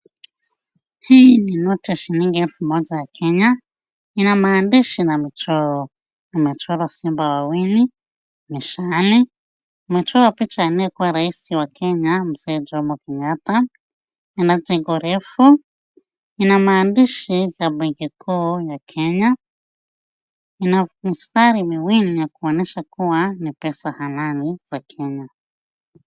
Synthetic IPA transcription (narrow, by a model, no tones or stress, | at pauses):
hininotɛʃiniŋɡeɛlfumod͡zajakʰeɲa | inamaːndiʃinamit͡ʃɔɾɔ | nimit͡ʃɔɾɔsimbawawini | miʃani | mit͡ʃɔɾapit͡ʃainekuwaɾaisiwakʰeɲamused͡ʒomukiɲata | inad͡ʒɛŋɡɔɾɛfu | inamaːndiʃivabiŋɡikʰujakʰɛɲa | inamistaɾimiwinijakuɔnɛʃakuwanipɛsahananiz̥akʰɛɲa